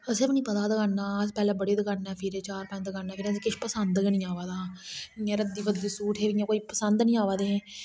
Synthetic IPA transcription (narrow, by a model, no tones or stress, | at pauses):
əsepnĩːpət̪aːd̪əɡaːnːaːəspɛːlɛ̃ːbəɽeːd̪əɡaːnɛːpʰɪɾeːt͡ʃaːɾpə̃t͡ʃd̪əɡaːnːɛːpʰɪɾseːkɪʃpəsənd̪knĩːaːʋaːd̪aːɪːãːɾəd̪iːʋəd̪iːsuːʈʰɦeːʋɪãːkoːiːpəsənd̪nĩːaːʋaːd̪ẽː